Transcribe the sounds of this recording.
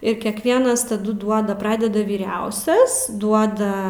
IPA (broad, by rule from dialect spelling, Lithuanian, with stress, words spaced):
ɪr kʲɛkˈʋʲiɛnɐs tɐˈdʊ ˈduɔdɐ ˈprɑːdʲɛdɐ ʋʲiːˈrʲɛʊsʲɛs ˈduɔdɐ